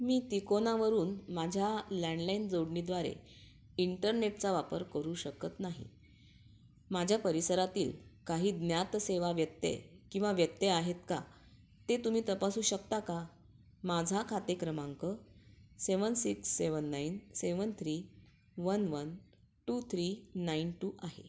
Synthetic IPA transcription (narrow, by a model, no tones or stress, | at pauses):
miːt̪ikonaʋəɾuːnmad͡ʑʱjalɛɳɖlaind͡zoɽɳid̪ʋaɾḛ | iɳʈəɾneʈt͡saʋapəɾkəɾuːɕəkət̪naɦḭ | mad͡ʑʱjapəɾisəɾat̪iːlkaɦiːd̪njat̪seʋaʋjət̪ːḛkĩw̃ʋaʋjət̪ːeaɦet̪ka | t̪et̪um̤iːt̪əpasuːɕəkt̪aka | mad͡zʱakʰat̪ekɾəmaŋkəseʋənsiksːeʋənːainseʋənt̪ʰɾiː | ʋənʋən | ʈut̪ʰɾinainʈuːʔaɦḛ